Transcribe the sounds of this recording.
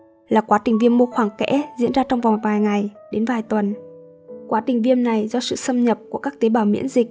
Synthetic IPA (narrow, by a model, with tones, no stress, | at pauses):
laː˨˩kwaː˨˦t̪ï˨˩ŋ̟vi˧əmːo˧xwaː˧˩ŋkɛ̰˧˥zḭ˧˥ənzaː˧t͡ɕɔ˧wŋ͡mva˨˩ŋ͡mtvaː˨˩jŋa˨˩jɗe˨˦nvaː˨˩jt̪wə˨˩n | kwaː˨˦t̪ï˨˩ŋ̟vi˧əmna˨˩jzɔ˧sɨ̰˧˨sə˧mɲə˨˩p̚ku˧˩əkaː˦˥k̚t̪e˨˦ɓaː˧˩wmḭ˧˥ənzi˨˩k̟̚